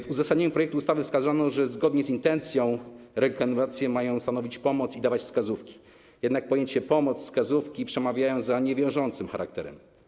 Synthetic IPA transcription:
vuzasad̪ɲeɲupɾɔjɛk̚t̪uːst̪avɘfskazanɔʐɛzɡɔd̪ɲɛzint̪ɛnt̪sʲjɔ̃w̃ɾɛkanat̪sʲjɛmajɔ̃w̃st̪anɔvʲit͡ɕpɔmɔt̪sid̪avat͡ɕfskazufkʲi̥ | jɛd̪nak̚pɔjeɲt͡ɕɛpɔmɔt̪sskazufkʲipʂɛmavʲjajɔ̃w̃zaɲɛvʲjɔ̃w̃ʐɔnt̪sɘmxaɾʔa̰k̚t̪ɛɾɛ̰m

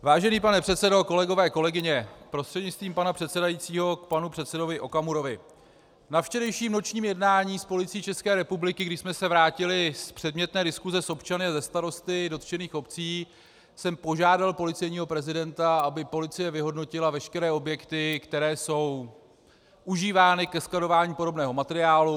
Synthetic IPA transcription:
vaːʒɛniːpanɛpr̥ɛt̪sɛdo̞ko̞lɛɡo̞vɛːko̞lɛɡɪɲɛpɾost̪r̥ɛdɲɪtt͡st̪viːmpanapr̥ɛt̪sɛdajit͡siːɦo̞k̚panupr̥ɛt̪sɛdo̞vɪʔo̞kamuɾo̞vɪ | nafʃt͡ʃɛɾɛjʃiːmno̞t͡ʃɲiːmjɛdnaːɲiːspo̞lɪt͡siːt͡ʃɛskɛːɾɛpublɪkɪɡdɪʃsmɛsɛvɾaːcɪlɪspr̥ɛdmɲɛt̪nɛːdɪskuzɛso̞pt͡ʃanɪazɛst̪aɾo̞st̪ɪdo̞t̪t͡ʃɛniːxo̞pt͡siː | sɛmpo̞ʒaːdalpo̞lɪt͡sɛjɲiːɦo̞pɾɛzɪdɛnt̪aabɪpo̞lɪt͡sɪjɛvɪɦo̞dno̞cɪlavɛʃkɛɾɛːo̞bjɛkt̪ɪkt̪ɛɾɛːso̞w | ʔuʒiːvaːnɪkɛsklado̞vaːɲiːpo̞ɾo̞bnɛːɦo̞mat̪ɛɾɪaːlu

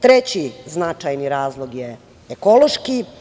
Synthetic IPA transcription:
t̪ɾet͡ɕiznat͡ʃajniɾaːzlˠoɡje | eko̞loʃki

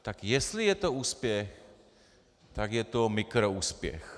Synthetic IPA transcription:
t̪akjɛst̪lɪjɛt̪o̞uːspjɛx | t̪akjɛt̪o̞mɪkɾouːspjɛ̰x

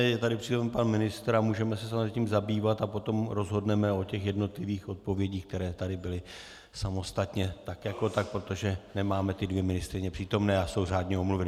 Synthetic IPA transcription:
jɛt̪adɪpr̥iːt̪omɛnpanmɪnɪst̪ɾamuːʒɛmɛsɛsamozɛciːmzabiːvat̪apo̞t̪o̞mɾo̞zɦo̞dnɛmɛo̞cɛxjɛdno̞t̪lɪviːxo̞t̪̚po̞vjɛɟiːxk̚t̪ɛɾɛːt̪adɪbɪlɪ | samo̞st̪at̪ɲɛt̪akjako̞t̪ak̚pɾot̪o̞ʒɛnɛmaːmɛt̪ɪdvjɛmɪnɪst̪ɾɪɲɛpr̥iːt̪o̞mnɛːaso̞wraːdɲɛomluvɛnɪ

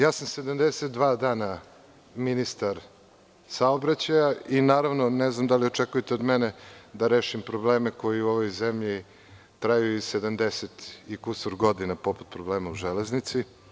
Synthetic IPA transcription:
jaːsamsed̪amd̪eset̪̚d̪ʋaːd̪aːna | minist̪aɾ | saobɾat͡ɕajainaːɾaʋno̞neznamd̪alio̞t͡ʂekujet̪eo̞d̪mened̪aɾeːʃimpɾobleːmeko̞jiuoʋojzemʎi | t̪ɾajuised̪amd̪eset̪ikusoɾɡo̞d̪inapo̞pu̥t̪̚pɾobleːmauʒeleznit̪si

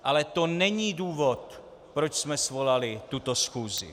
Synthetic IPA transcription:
ʔalɛt̪o̞nɛɲiːduːvot̪ | pɾot͡ʃsmɛsvolalɪt̪ut̪o̞sxuːzɪ̰

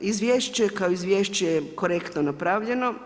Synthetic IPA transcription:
izʋjeʃt͡ɕekaoizʋʲjeːʃt͡ɕejko̞ɾekt̪nonapɾaʋʎe̞no̞

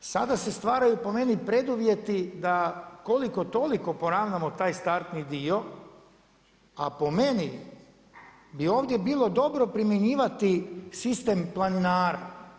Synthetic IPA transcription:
sad̪ase̞st̪ʋaːɾajupo̞me̞nipɾe̞d̪uʋje̞t̪id̪akoliko̞t̪o̞liko̞po̞ɾaʋnamot̪aːjst̪aɾt̪nid̪io̞ | a̰po̞me̞ni | bio̞ːʋd̪je̞biːlˠo̞d̪o̞bɾo̞pɾimjeɲiːʋat̪isist̪emplˠaninaːɾa

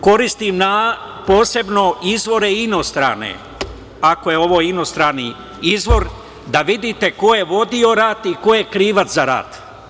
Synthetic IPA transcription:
ko̞ɾist̪imna | po̞ːse̞bno̞izʋo̞ɾe̞ino̞st̪ɾa̰ːnḛ | ako̞je̞o̞ʋoːino̞st̪ɾaːni | izʋo̞ɾ | d̪aʋid̪it̪e̞ko̞jeʋo̞d̪io̞ɾaːt̪iko̞jekɾiːʋat̪zaɾa̰ːt̪

